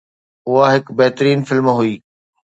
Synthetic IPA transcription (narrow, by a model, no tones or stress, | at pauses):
ʊɦaɦɪkbɛɦt̪ɾiːnfɪlmɦʊiː